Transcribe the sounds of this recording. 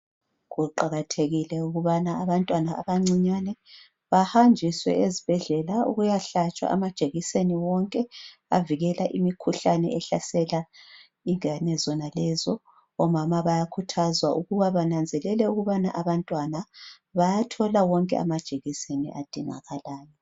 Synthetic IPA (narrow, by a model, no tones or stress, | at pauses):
ɣuǃaɣatʰeɣilɛuɣuβanaːβantʼwanaːβaŋ͡ǀiɲanɛ | βahand͡ʒʱiswɛ̰ʔezib̥ʱɛɮɛlaṵɣujaɬat͡ʃʼwa̰ʔa̰mad̥ʒ̥ʱeɣiseniwɔŋkʼɛa̰viɣɛlaʔimikʰuɬanɛ̰ɛɬasɛla | iŋanɛzɔnalɛzɔ | ɔmamaβajakʰutʰazwaʔuɣuβaβanand͡zʱɛlɛlɛuɣuβanaʔaβantʼwana | βajatʰɔlawɔŋkʼɛ̰a̰mad̥ʒ̥ʱeɣisenḭʔad̥ʱiŋa̰ɣalaːjɔ